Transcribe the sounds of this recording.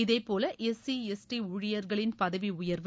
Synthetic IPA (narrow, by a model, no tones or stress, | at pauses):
ɪðeɪpːoːlɐʔɛsiɛsʈiʊɻɪjɐɾɣɐɭɪnpɐðɐʋiʊjɐɾʋɯ